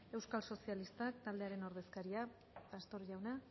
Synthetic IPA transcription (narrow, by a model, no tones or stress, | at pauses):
e̞wskalso̞sialist̪ak̚t̪ald̪e̞aɾe̞no̞ɾð̞e̞skaɾia | tast̪o̞ɾʝawna